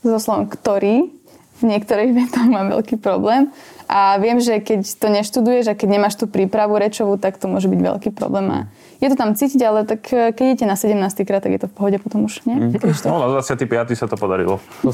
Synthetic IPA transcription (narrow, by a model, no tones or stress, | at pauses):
zɔslɔʋɔ̰mkt̪ɔɾiː | vɲɪɛkt̪ɔɾiɣʋɛt̪ɔxmaːʋɛ̰lkiːpɾɔblɛːmʔaʋɪɛmʒɛkɛct̪ɔɲɛʃt̪ud̪ujɛʒakɛɟɲɛmaːʃt̪uːpɾiːpɾaʋuɾɛt͡ʃɔʋut̪akt̪ɔmʊɔʒɛbiɟʋɛ̰lkiːpɾɔ̰blɛːma̰ | jɛt̪ɔt̪amt͡siːciɟalɛt̪akːkɛɟɛɛcɛnasɛɟɛmnaːst̪ikɾaːt̪ːaɡjɛt̪ɔfpɔɦɔɟɛpɔt̪ɔmuʃɲɪɛt̪ɔnad̪ʋat͡sɪat̪ipɪat̪isat̪ɔpɔd̪aɾḭlɔ̰